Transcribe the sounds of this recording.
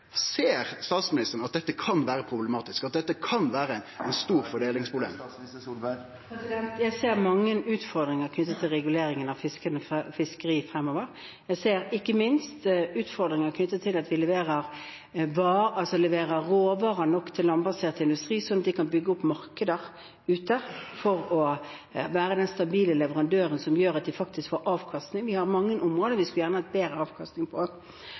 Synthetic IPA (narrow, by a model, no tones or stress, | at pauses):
seːɾst̪ɑːt̪smɪnɪst̪əɾn̩ɑt̪̚d̪ɛt̪ːəkʰɑnʋæːɾəpʰɾʊblɛmɑːt̪ɪskɑt̪̚d̪ɛt̪ːəkʰɑnʋæːɾəɛɪnst̪uːɾfɔɖeːlɪŋspʰɾʊblḛm | psɪd̪ɛnt̪jæɪseːʁmɑŋːənʉːt̪fɔʁd̪ɾɪŋəɾkʰnʏt̪ːət̪ʰɪlʁɛɡʉleːɾɪŋənɑʋfɪskənəffɪskəʁiːfɾɛmːoːʋəɾ | jæɪseːɾɪkːəmɪnst̪ʉːt̪fɔʁd̪ɾɪŋəkʰnʏt̪ːət̪ʰɪlɑt̪ʋɪlɛʋeːɾəʁ | ʋɑːɑlsɔlɛʋeːʁəːoːʋɑːʁənɔkːt̪ʰɪlːɑnbɑseːʁt̪əɪnd̪ʉst̪ʁiːsɔnːɑt̪̚d̪ɪkʰɑnbʏɡːəʊpːmɑʁkəd̪əʁ | ʉːt̪əfɔʁɔ | ʋæːɾəd̪ɛnst̪ɑbiːləlɛʋəʁɑnd̪øːʁənsɔmjøːʁɑt̪̚d̪ɪfɑk̚t̪ɪskfoːɾʔɑːʋkʰɑst̪nɪŋʋɪhɑɾmɑŋːənʔʊmʁoːd̪əɾʋɪskʉljæʁnəhɑt̪̚beːɾəɑːʋkʰɑst̪nɪŋpʰɔ